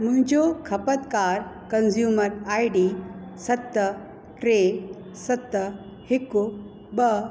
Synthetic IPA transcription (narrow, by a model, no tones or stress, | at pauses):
muɦɪ̃ɲd͡ʑokʰɐpət̪kaɾkɐnzjuːmɐɾajɖisɐt̪ːə | ʈɾe | sɐt̪ːə | hiku | bɐ